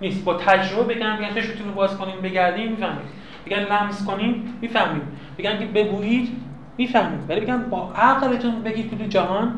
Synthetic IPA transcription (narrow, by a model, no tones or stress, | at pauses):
niːst̪̚bɒːt̪ʰæd͡ʒɾobebe̞ɡæmbeɡænt͡ʃʰeʃmit̪unibɒːzkʰoniːnbe̞ɡæɾd̪iːnmiːfæhmḭːd̪ | b̥eɡʲæmlæmzko̞niːnmiːfæhmiːm | be̞ɡæmkʰebe̞ɡuːjiːd̪ | miːfæhmiːd̪vælibeɡʲæmbɒːʔæɣbet̪ʰunid̪be̞ɡiːd̪̚kʰet̪ʰud͡ʒæɦɒːn